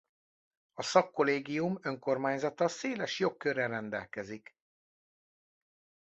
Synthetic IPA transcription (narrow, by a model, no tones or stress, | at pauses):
ɒsɒkːo̞leːɡijumøŋko̞rmaːɲzɒt̪ɒseːlɛʃjo̞kːøɾɛrɛnd̪ɛlkɛzik